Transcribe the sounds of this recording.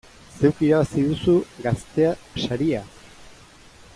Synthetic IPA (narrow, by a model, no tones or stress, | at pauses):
se̞wkiɾaβasiðusuɡast̪e̞aʃaɾia